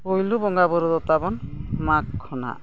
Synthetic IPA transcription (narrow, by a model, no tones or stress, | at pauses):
kojlubɔŋɡabɔɾɔd̪ɔt̪abɔnmakʰːɔna̰ʔ